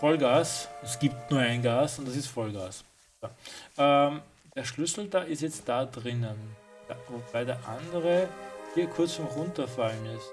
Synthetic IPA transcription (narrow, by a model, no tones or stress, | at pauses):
fɔlɡaːsɛsɡ̥iːp̚tnuːɐaɪnɡaːsʊntd̥asɪstfɔlɡaːs | soʔɛ | d̥eːɐʃlʏsl̩daːɪstjɛt͡st̚d̥aːdʁɪnənd̥vob̥aɪdeːɐʔandəʁəhiːɐkʰʊɐt͡sfɔmʁʊntɐfalənɪs